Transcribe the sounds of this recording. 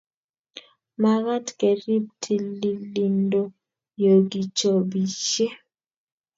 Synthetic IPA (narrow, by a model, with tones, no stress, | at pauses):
ma˨ɣa˦tkɛ˨ɾi˦p̚tʰi˨li˨li˨ndo˦ | jo˨ɡi˨t͡ʃo˨bi˨t͡ʃe˦